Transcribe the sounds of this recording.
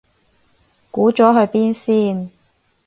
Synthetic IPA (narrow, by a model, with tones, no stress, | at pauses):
kuː˨˥t͡sɔː˨˥ɦɵ˧ɥpiː˥nsiː˥n